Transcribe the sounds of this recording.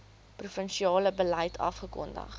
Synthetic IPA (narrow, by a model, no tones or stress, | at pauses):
prufənʃiɑːləbəlɛjtʰɐ̰fχəkɔ̰ndɐ̰χ